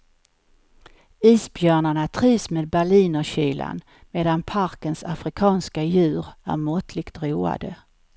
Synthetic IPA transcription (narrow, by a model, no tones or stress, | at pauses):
iːsbjœːɳaɳat̪ʰɾiːvsmeːd̪̚bæɭiːnɔɕyːla̰n | meːd̪anpʰaɾkənsafɾɪkʰɑːnskajʉ̟ːɾæ̰ɾmɔt̪ʰlɪkt̪ɾuːa̰d̪ə